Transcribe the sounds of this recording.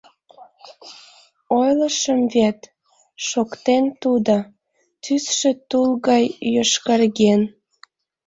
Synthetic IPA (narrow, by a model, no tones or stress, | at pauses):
ojləʃəmvet̪ | ʃokt̪ent̪ud̪o | t̪ysʃet̪ulɣɑjːøʃkərɣen